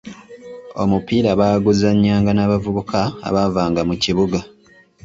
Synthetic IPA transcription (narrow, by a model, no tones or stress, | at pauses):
o̞̰mupiːɾaβaːɡuzaɲːaːŋɡanaːβavuβukʰa̰ːβavaːŋɡamuciβuɡa